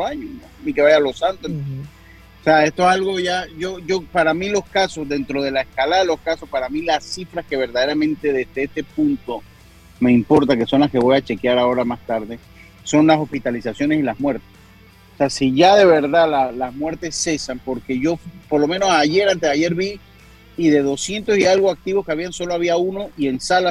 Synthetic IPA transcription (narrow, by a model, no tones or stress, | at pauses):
aɲononike̞βajalo̞sant̪o | oseaest̪oesalɣoʝaʝo̞ʝo̞paɾamilo̞skaso̞zðe̞nt̪ɾo̞ð̞e̞laeskalaðalo̞skaso̞spaɾamilasifɾaske̞β̞e̞ɾðaðeɾamẽ̞nt̪e̞ðe̞zðeest̪e̞punt̪o̞ | me̞impo̞ɾt̪ake̞so̞nlaske̞βo̞jat͡ʃe̞kjaɾao̞ɾamast̪aɾðe̞ | so̞nlaso̞spit̪alisasjo̞ne̞silazmwe̞ɾt̪es | ose̞asiʝaðe̞βe̞ɾðalalazmwe̞ɾt̪e̞sːe̞sampo̞ɾke̞ʝo̞po̞ɾlo̞mẽ̞no̞saʝe̞ɾant̪eðaʝe̞ɾβiː | ðe̞ðo̞sje̞nt̪o̞sialɣoak̚t̪iβo̞skeaβianso̞loaβiauno̞ʔie̞nsala